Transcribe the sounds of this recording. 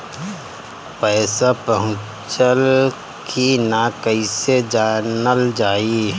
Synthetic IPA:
pɛːsapəɦʊ̃ | t͡ʃəl | kʰinakəised͡ʒaːnəld͡ʒaːi

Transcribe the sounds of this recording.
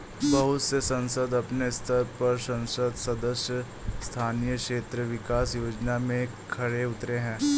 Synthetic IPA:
bɐɦʊt̪sesɐ̃nsəd̪ɐpnest̪ʰəɾpɐɾsɐ̃nsəd̪sɐd̪əsjə | st̪ʰaːnijəkʃeːt̪ɾəʋɪkaːsjoːd͡ʒnamẽ | kʰɐɽeʊt̪ɾeɦɛ̃ː

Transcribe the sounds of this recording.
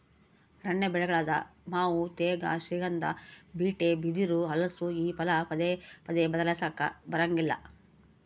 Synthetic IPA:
ɾɐɳːebɛɭɛɡɐɭaːd̪ɐ̰maːwut̪ɛːɡɐ̰ʃiːɡɐnd̪ɐ̰biːʈebid̪iɾuɦɐlɐsuiːpɐlɐpɐd̪epɐd̪ebɐd̪ɐlɐsaːkɐ̰bɐɾɐŋɡilːɐ̰

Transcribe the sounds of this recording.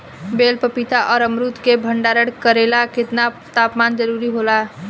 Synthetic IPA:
belpəpit̪aʔɔːɾəmɾut̪kebʱəɳɖaɾəɽkəɾelaket̪na | t̪apmand͡ʒəɾuɾiɦola

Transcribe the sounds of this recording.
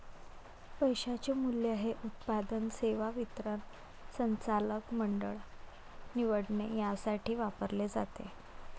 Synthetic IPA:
pəjɕat͡ɕemulːjeɦeʔut̪̚pad̪ənseʋaʋit̪ɾən | sənt͡saləkməɳɖə̰ɭ | niʋəɽɳejasaʈiːʋapəɾled͡za̰t̪ḛ

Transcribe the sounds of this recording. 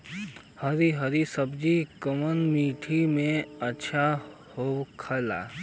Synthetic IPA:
hɐɾiɦɐɾisəbd͡ʒikəmənmiːʈʰimẽɐtːʃʰa | hokʰɐla̰ː

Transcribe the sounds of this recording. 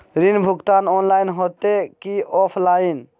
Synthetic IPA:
ɾinbʱʊɡt̪anɔnlajnɦot̪ekiɔpʰlain

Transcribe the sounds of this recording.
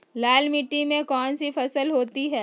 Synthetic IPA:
laːlmiʈːimẽkɔːnsifɐsəlɦoːt̪iɦɛː

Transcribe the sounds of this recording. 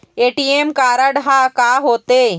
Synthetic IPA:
eːʈiːeːmkaːɾəɖɦaːkaːɦoːt̪eː

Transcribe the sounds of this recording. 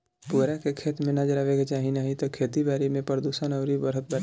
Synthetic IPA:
puɾakekʰeːt̪mẽnad͡ʒəɾaːʋeɡt͡ʃaːɦinaɦit̪okʰeːt̪ibaːɾimẽpəɾd̪usənəːɾibəɾɦət̪̚bəɾ

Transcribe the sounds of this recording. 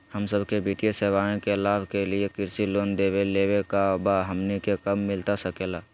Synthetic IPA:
həmsəbʱkebit̪ijeseːʋaːẽkelaːbʱkelɪekɪɾsiloːnd̪eːweleːwekabaɦəmnikekəmːɪlt̪asəkeːlaː

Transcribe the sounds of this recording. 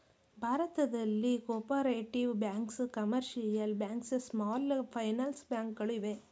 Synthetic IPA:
bʱaːɾɐt̪ɐd̪ɐlːikoːpɐɾeːʈiʋbjaːŋkskɐmɐɾʃɐjɐlbjaːŋkssmaːlpʰɐjnɐlsbjaːŋkɡɐɭiʋe

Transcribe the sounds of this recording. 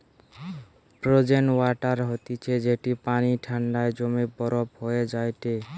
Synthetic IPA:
pɾod͡ʒenwaʈaɾɦɔt̪it͡ʃʰed͡ʒeʈipaniʈʰaɳɖaed͡ʒomebɔɾɔphɔed͡ʒajt̪e

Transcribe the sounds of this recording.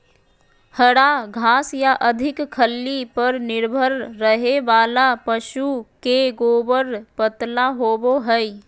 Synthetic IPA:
həɽaɡʱaːsjaʔɐd̪ʱɪkkʰəlːipɐɾnɪɾbʱəɾːəɦeʋaːlapəʃukeɡoːbəɾpət̪laɦoːboɦɛi

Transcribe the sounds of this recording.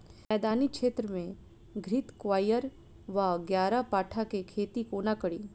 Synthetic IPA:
ɛːd̪aːnikʃeːt̪ɾəmẽ | ɡʱɾit̪kʋaːjəɾ | ʋaɡjaːɾapaːʈʰakekʰeːt̪ikoːnakəɽiː

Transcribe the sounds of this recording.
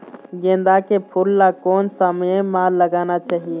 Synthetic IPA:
ɡẽnd̪akepʰulːakonsəmjemãləɡanat͡ʃaːɦie

